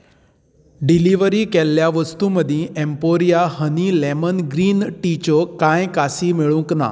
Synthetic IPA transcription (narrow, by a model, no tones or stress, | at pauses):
ɖiliʋəɾiːkɛlːjaʋəst̪uməd̪ʱĩɛmpoɾijaɦənilɛmənɡɾiːnʈit͡ɕokãjkasiːmeɭũkna̰